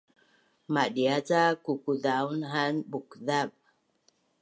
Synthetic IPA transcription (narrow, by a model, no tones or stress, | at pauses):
madiat͡sakukudaunɦanbukðab̚